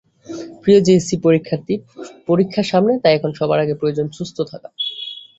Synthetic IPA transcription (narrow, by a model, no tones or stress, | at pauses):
pɾiod͡ʑesipoɾikʰːaɾt̪ipoɾikʰːaɾʃamnet̪aɛkʰonʃɔbaɾaɡepɾojod͡ʑonʃust̪ʰot̪ʰaka